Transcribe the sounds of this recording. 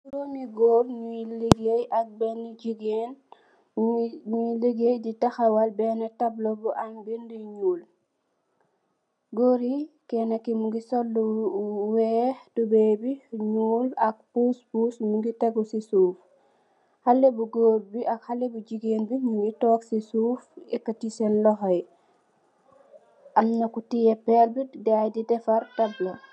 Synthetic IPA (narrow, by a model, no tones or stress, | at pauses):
uɾomiɡoːbɲuliɡejɐk̚bɛnid͡ʒiɡen | ɲuliɡejditɐxɐwɐlbɛːnɛtɐblɔbuʔɐnbindiɲuːl | ɡoːɾikɛnɐkːimuŋɡisɔlːuwɛːtubɛbiɲuːlɐk̚puspuːsmuŋɡiteɡusisuːf | halebuɡobiʔakhalebud͡ʒiɡeːnbimuŋɡitɔːksisuːfɛkːatisenlɔɦɔj | ʔamnɐkutijepelbidajdidɛfaɾtablo